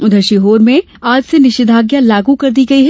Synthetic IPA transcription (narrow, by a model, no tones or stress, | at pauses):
ʊd̪ʱəɾʃiɦoːɾmẽ | aːd͡ʒsenɪʃɪd̪ʱaːɡjalaːɡukɐɾd̪iɡɐiɦɛ